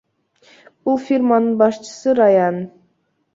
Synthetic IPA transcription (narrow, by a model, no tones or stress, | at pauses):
ulˠfʲirmɑnɯnbɑʃt͡ʃʰə̥sɯɾɑjɑn